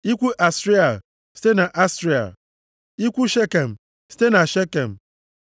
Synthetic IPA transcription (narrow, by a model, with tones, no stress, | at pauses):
i˦kʷu˦ʔa˨sɾi˦a˨ | si̥˦te˦na˨ʔa˦sɾi˦a̰˨ | i˦kʷu˦ʃe˦ke˨m̩˨ | si̥˦te˦na˨ʃe˦ke˨m̩˨